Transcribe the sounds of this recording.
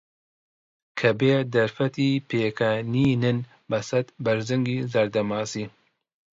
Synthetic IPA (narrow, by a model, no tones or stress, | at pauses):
kʰɐbeːd̪ɐɾfɐt̪iːpʰeːkʰaːniːnɨn | bɐsɐt̪bɐɾzɨŋɡiːzɐɾd̪ɐmaːsiː